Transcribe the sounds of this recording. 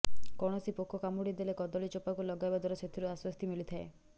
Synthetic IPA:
kɔɽ̃ɔsipɔkʰːɔkamuɽid̪elekɔd̪ɔlit͡ʃɔpakulɔɡajbad̪ʱɔɾɔset̪ʰiɾuaswɔst̪ʰimilit̪ʰae

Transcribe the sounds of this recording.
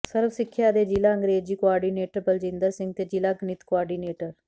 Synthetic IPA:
səɾbsɪkʰːjaːd̪eːd͡ʒɪlaːəŋɡɾeːd͡ʒiːkoaːɾɖiːneːʈəɾpəld͡ʒɪ̃nd̪asɪ̃ŋɡ̚t̪eːd͡ʒɪlaːɡnɪt̪koaːɖiːneːʈəɾ

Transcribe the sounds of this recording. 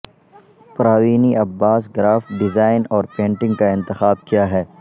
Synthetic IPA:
pɾaːʋiːniʔɐbːaːsɡɾaːfɖɪzaːɪnɔːɾpẽːɳʈɪ̃ŋɡkaɪ̃nt̪ɪxaːb̚kijaɦɛː

